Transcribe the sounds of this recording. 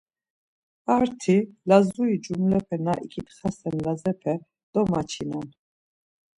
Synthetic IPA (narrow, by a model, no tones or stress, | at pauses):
aɾt̪ʰilazuid͡ʒumlɛpʰɛnaʔikʰit̪χasɛnlazɛpʰɛ | d̪̥ɔmat͡ʃʰinɛn